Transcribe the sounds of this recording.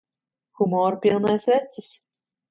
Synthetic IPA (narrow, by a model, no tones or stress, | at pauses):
xumɔɾpʲilˠnajsʲvʲæt̪sɪs